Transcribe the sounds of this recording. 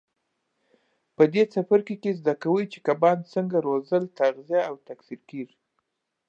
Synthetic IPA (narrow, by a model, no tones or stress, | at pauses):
pəd̪et͡safaɾkekezd̪akawəjt͡ʃe̥kabɑnt͡səŋɡaɾozəlt̪aɣzijaːwt̪aksiɾkiɾ